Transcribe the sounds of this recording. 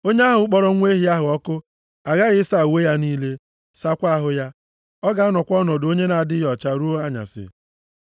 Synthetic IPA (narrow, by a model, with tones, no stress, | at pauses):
o˦ɲe˦a˦ɦʊ˨ʊ˦k͡pɔ˦ɾɔ˦ŋʷ˦e˦ɦi˦a˦ɦʊ˨ɔ˦kʊ˦ | a˨ɣa˦ɣɪ˦sa˨we˦ja˦niː˦le˦ | sa˦kʷa˦ɦʊ˦ja˦ | ɔ˦ɡa˨˦nɔ˨kʷɔ˦nɔ˨do˦ɲe˦na˨dɪ˦jɔ˨t͡ʃa˦ɾu˦a˦ɲa̰˨sɪ̰˨